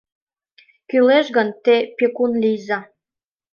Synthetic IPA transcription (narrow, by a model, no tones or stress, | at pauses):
kyleʃɣənt̪epekunlijzɑ